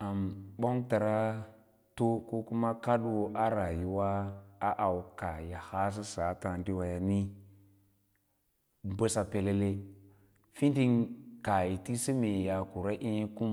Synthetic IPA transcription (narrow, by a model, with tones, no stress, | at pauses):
a˨mbo˦ŋta˨ɾa˦ | to˦ko˦ku˦ma˦ka˦ɗwo˦ʔa˦ɾa˨ji˨wa˦a˦ʔa˨wka˨ja˨ha˦s̬i˦sa˨˦ta˨ndi˦wa˨ja˨ni˦ | bə˦sa˨pe˨le˦le˦ | fi˦di˦ŋka˨ji˨ti˦si˦me˨ja˨ku˨ɾa˦ʔi˦n˦ku˦m